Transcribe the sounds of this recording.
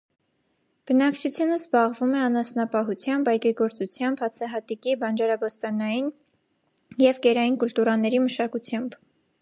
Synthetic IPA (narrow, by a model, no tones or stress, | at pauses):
b̥ənɑkt͡ʃʰut͡sʰjunəzbɑʁvumɛɑnɑsnɑpɑɦut͡sʰjɑmbɑjkiɡɔɾt͡sut͡sʰjɑmbhɑt͡sʰɑɦɑt̪ikibɑnd͡ʒɑɾɑbɔst̪ɑnɑjin | jɛvɡɛɾɑjinkult̪uɾɑnɛɾiməʃɑkut͡sʰjɑmb